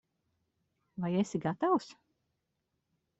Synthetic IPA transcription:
vajesʲiɡat̪aws

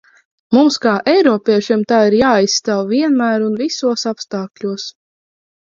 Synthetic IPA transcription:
mumskaːʔɛjɾɔːpʲiɛʃimt̪aːiɾjaːajsːt̪awviɛnmæːɾunvisuɔsapst̪aːkʎʲuɔs

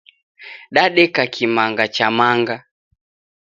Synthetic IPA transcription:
ɗaɗɛkakʰimaŋɡat͡ʃamaŋɡa

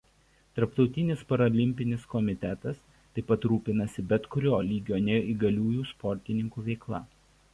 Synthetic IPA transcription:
t̪ɐɾpt̪ɒʊt̪ʲɪnʲɪspɐɾɐlʲɪmʲpʲɪnʲɪskɔmʲɪt̪ʲɛt̪ɐs | t̪ɐɪpɐt̪ɾuːpʲɪnɐsʲɪbʲɛt̪kʊɾʲoːlʲiːɡʲoːnʲɛjoːiːɡɐlʲuːjuːspɔɾʲt̪ʲɪnʲɪŋkuːʋʲɛɪklˠɐ̰

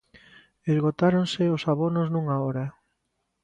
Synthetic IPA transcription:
ezɣot̪aɾonsɪosaβonoznuŋaɔɾa

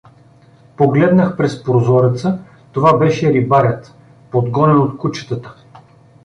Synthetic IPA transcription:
poɡlɛd̪nəxpɾɛspɾozɔɾɛt̪sə | t̪ovabɛʃɛɾibaɾɛt̪ | pod̪ɡɔnɛnot̪kut͡ʃə̥t̪ət̪ə̥

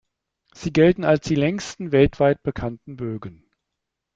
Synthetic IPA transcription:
z̥iːɡɛltn̩alsd̥iːlɛŋstn̩vɛltv̥aɪt̚b̥əkʰantn̩bøːɡən

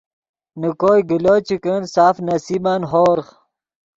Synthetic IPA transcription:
nukoːjɡiloːt͡ɕikənsaːfnɐsiːmanɦoːɾχ

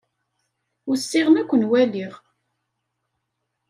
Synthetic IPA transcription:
ʊsːɪʁənækʷːənwæliʁ

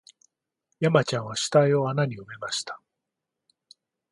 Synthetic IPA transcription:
jamat͡ɕãɰ̃βaɕi̥t̪aio̞anaɲ̟iɯme̞maɕi̥t̪ḁ

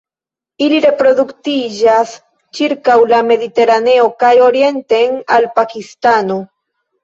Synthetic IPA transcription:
iliɾe̞pɾo̞ðukt̪id͡ʒas | t͡ʃiɾkawlame̞ðit̪e̞ɾane̞okajo̞ɾje̞nt̪enalpakist̪ano

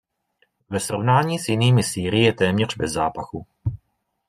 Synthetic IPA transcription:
vɛsɾo̞vnaːɲiːsjɪniːmɪsiːɾɪjɛt̪ɛːmɲɛr̝̥bɛzːa̰ːpaxu

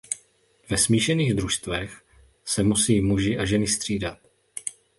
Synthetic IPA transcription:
vɛsmiːʃɛniːɣd̪ɾuʃst̪vɛx | sɛmusiːmuʒɪʔaʒɛnɪst̪r̝̥iːdat̪̚

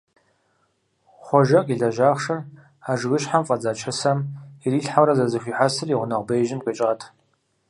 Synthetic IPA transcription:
χʷɔʒɐqʼiɮɐʒaːχʂɐr | aʒɡɨʃħamfʼɐd͡zaːt͡ʃʰɐsamiriːɬħamrɐzɐzɨɕʷiːħasɨriʁʷʊnɐʁʷbejʒɪmkʷʼet͡ʃʼʁatʰ

